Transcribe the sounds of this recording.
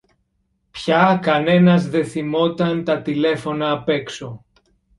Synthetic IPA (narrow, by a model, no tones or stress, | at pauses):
pçɐkɐne̞nɐzðe̞θimo̞t̪ɐnt̪ɐt̪ile̞fo̞nɐːpe̞kso̞